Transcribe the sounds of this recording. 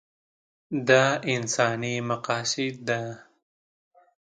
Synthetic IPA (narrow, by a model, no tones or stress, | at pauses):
d̪ɑːɪnsɑːnimaqɑːsɪd̪̚d̪a